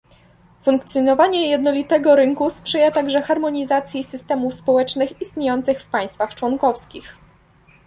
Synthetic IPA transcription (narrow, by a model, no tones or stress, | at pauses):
fuŋkt̪sʲjɔnɔvaɲɛjɛd̪nɔlʲit̪ɛɡɔɾɘŋkuspʂɛjat̪aɡʐɛxaɾmɔɲizat̪sʲjisɘst̪ɛmufspɔwɛt͡ʂnɘxist̪ɲejɔnt̪sɘxfpaj̃st̪faxt͡ʂwɔŋkɔfskʲḭx